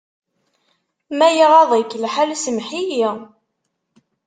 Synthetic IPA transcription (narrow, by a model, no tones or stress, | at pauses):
mæjiʁɑðˤəkːlħalsəmħiji